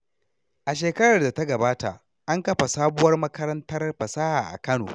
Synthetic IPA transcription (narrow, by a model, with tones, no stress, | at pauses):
ʔa˨ʃ̬eː˨kɐ˦ɽɐ˨rda˨ta˦ɡɐ˨baː˦ta˨ʔ | ʔa˦ŋkɐ˦ɸa˨saː˦bʊ˦wɐ˦rmɐ˦kɐ˦ɾɐ˦ntɐ˦rɸɐ˨saː˦haː˨ʔa̰˨kɐ˦no̰ː˨